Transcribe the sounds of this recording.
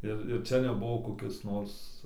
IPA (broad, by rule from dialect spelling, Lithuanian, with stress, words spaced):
ˈɪr ɪr ˈt͡ʃʲɛ nʲɛˈbʊʋoː koːˈkʲɪs ˈnoːrs